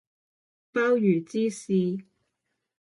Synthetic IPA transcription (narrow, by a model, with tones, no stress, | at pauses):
paː˥wjyː˨˩t͡siː˥siː˧